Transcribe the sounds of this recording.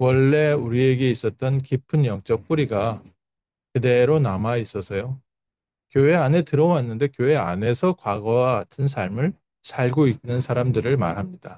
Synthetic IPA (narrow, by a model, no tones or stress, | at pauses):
wʌɭːe̞uɾie̞ɡe̞is͈ʌt̚t͈ʌnkipʰɯnjʌŋt͡ɕ͈ʌk̚p͈uɾiɡa | kede̞ɾonamais͈ʌsʰʌjo | kjoe̞ane̞tɯɾʌwanːɯnde̞kjoɦe̞a̰ne̞sʰʌkwaɡʌwaɡatʰɯns̬ʰaɭmɯɭ | sʰaɭɡoik̚nɯnsʰaɾamdɯɾɯɭma̰ɾɦamɲid̥a